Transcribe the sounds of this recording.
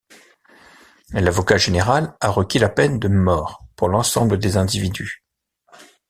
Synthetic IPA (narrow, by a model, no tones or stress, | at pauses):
lavɔkaʒeneʁalaʁəkʲilapɛnd̪əmɔːʁpuʁlɑ̃sɑ̃bləd̪ezɛ̃d̪ivid̪y